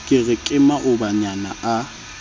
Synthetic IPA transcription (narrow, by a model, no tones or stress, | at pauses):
kʼɪɣɪkʼɪmaʔʊbaɲanaʔa